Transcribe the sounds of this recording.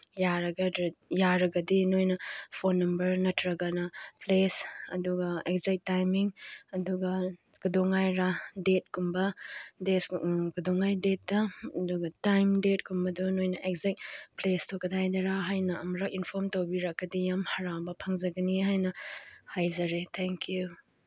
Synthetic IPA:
jaɾɐɡɐdjaɾɐɡɐdinojnɐpʰonːɐmbɐɾnɐtɾɐɡɐnɐplesɐ̰duɡɐekzak̚tːajmiŋɐduɡɐ | ɡ̥udɔŋajɾadet̚kumbɐdesɡudɔŋajdet̚dɐduɡɐtajmdet̚kumbɐdunojnɐʔekzakplestʰokɐdʱajdɐɾaɦajnɐɐmɾɐkinpʰoɾmtɐwbiɾɐk̚ːɐdijamhɐɾawbɐpʰɐŋzɐɡɐnihajnɐhajzɐɾet̪ʰeŋkju

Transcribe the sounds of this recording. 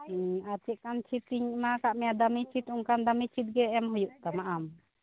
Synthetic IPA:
at͡ʃɛt̪̚kant͡ʃʰit̪ːiɲmakaʔmɛjad̪amit͡ʃʰit̪uŋkand̪amit͡ʃʰit̪̚ɡɛːmɦujuʔt̪amaʔam

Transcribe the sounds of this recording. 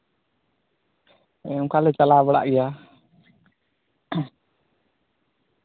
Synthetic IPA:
ɛukalɛt͡ʃalaβəɽa̰ʔɡɛja

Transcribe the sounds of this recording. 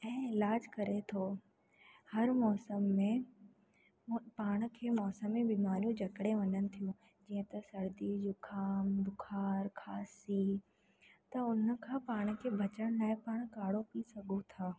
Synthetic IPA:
ɛ̃ːɪlaːd͡ʑkɐɾet̪ʰoː | hɐɾmɔːsəmːẽ | paːɽ̃̆kʰeːmɔːsəmːẽbimaːɾijũd͡ʑʱɐkɽeʋɐɲənɪ̆t̪ʰijũ | d͡ʑiːə̃t̪ɐsɐɽd̪id͡ʑʊkʰaːmd̪ʊkʰaːɾkʰaːsi | t̪ɐʊn̤̆kʰãːpaːɽ̃̆kʰeːbʱɐt͡ɕəɽ̃laːɪpaːɽ̃kaːɽopisɐɡʱot̪ʰaː

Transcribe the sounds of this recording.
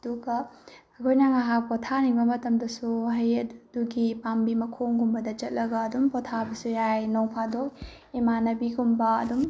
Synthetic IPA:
duɡɐɐkʰojnaŋaɦapɔtʰaniŋbɐmɐtɐmdɐsuɦɐjɐduɡipambimɐkʰoŋɡumbɐdɐt͡ʃɐt̚lɐɡɐːdumpɔtʰabɐsujajnoŋpʰadok̚ | imanɐbiɡumbɐɐ̰dum

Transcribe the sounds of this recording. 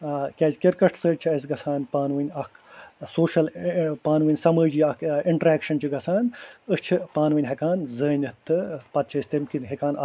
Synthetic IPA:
kʲɐd͡ʒkʲiɾkɐʈʰsəːt͡ʃʰiɐs̬ʲɡɐsʰaːnpaːnʋɨnʲɐkʰsoːʃɐlpaːnʋɨnʲsɐməːd͡ʒiɐkʰiɳʈɐɾaːkʃɐnt͡ʃʰiɡɐsʰaːnʲɨt͡ʃʰipaːnʋɨnʲɦɐkaːnzəːnʲɨt̪ʰːɨpɐt̪̚t͡ʃʰɐst̪imkinɦekaːnɐ

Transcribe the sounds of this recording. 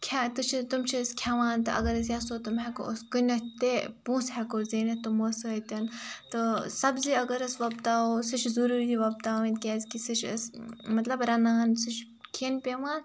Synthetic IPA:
kʲʰet̪ɨt͡ʃʰit̪umt͡ʃʰiskʲʰɛʋaːnt̪ɨʔɐ̰ɡɐɾɐs̬jɐsoːt̪umɦɛko̰oskɨnʲɐt̪epũːsɦɛkoːzeːnɐt̪umosəːt̪ʲɐnt̪ɨsɐbziɐɡɐɾɐsʋɐbt̪aːosɨt͡ʃʰzuɾuːɾiʋɐb̚t̪aːʋɐ̃nt̪̚kʲɛːzʲkisɨt͡ʃʰɐ̰smɐt̪lɐbɾɐnaːnsɨt͡ʃʰ | kʰeːnpʲeʋãːn

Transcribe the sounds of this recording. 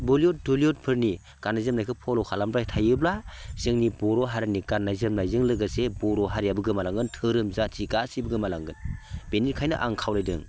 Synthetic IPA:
boliɔt̚doliɔt̚pʰɯɾni | ɡ̥anːajzɯmnajkʰɯpʰɔlɔwkʰalambɾajtʰajɯblaz̥ɯŋnibɔɾɔɦaɾaniɡanːajzɯmnajzɯŋlɯɡasebɔɾɔɦaɾjabɯɡɯmalaŋɡɯntʰɯɾɯmzatʰiɡasibɯɡɯmalaŋɡɯnbenitkʰajnɯ̰ʔa̰ŋkʰawlajdɯ̰ŋ

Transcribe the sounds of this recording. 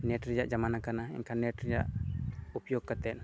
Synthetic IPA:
nɛʈɾid͡ʒaʔd͡ʒamanakanaɛ̰ɲkʰanɛʈɾid͡ʒa̰ʔupjɔɡkːat̪ɛn

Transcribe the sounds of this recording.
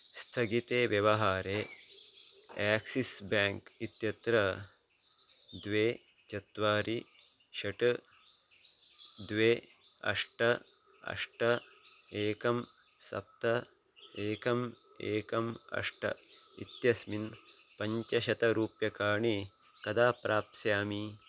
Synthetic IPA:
st̪ʰɐɡit̪eːʋjɐʋɐɦaːɾeː | aːksisbaːŋkit̪jɐt̪ɾɐ | d̪ʋeː | t͡ʃɐt̪ʋaːɾi | ʃɐʈ | d̪ʋeː | ɐ̰ʂʈɐ | ɐ̰ʂʈɐeːkɐm | sɐ̰p̚t̪ɐ | eːkɐm | eːkɐmɐ̰ʂʈɐ̰ḭt̪jɐsmin | pɐɲt͡ʃɐʃɐt̪ɐɾuːpjɐkaːɳi | kɐd̪aːpɾaːp̪̚sjaːmi

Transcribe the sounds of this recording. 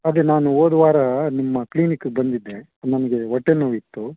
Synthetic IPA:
ɐd̪enaːnuoːd̪ʋaːɾɐnimːɐkliːnikːɡbɐnd̪id̪ːe̞ | nɐmɐɡe̞ɦɔʈːenːuːit̪ːu

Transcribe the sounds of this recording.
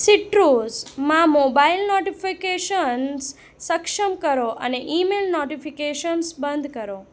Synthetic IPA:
siʈɾozmãmoːbailnoʈifikeʃəns | səkʃəmkəɾoʔə̰neʔimeːlnoːʈifikeʃənsbə̃nd̪ʱkəɾo

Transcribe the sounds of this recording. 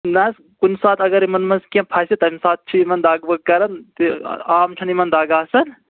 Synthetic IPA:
nɐs | kunsaːt̪ʰɐɡɐɾimɐnmɐskɐ̃pʰaːsit̪ɐmisaːt̪̚ʰt͡ʃʰiimɐnd̪aːɡbɐkɐɾɐnt̪ḭaːmt͡ʃʰɐnimɐnd̪aːɡaːsɐn

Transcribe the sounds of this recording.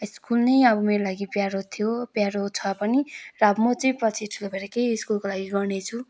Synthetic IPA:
iskulnʌjʌbʌmeɾolaɡipjaɾot̪ʰijopjaɾot͡sʰʌpʌnirabmot͡sʌĩprʌt͡sʰiʈʰulobʰʱeɾʌkejskulkolaɡiɡʌrnet͡sʰu

